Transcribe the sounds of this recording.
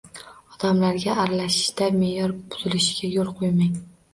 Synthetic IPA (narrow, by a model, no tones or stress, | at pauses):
ɒd̪̥amlaɾɡʲaʔːɾalaʃɪ̥ʃd̪ame̞jɒɾb̥ʊzɪlɪʃɪɡʲajolˠqʰojmaŋ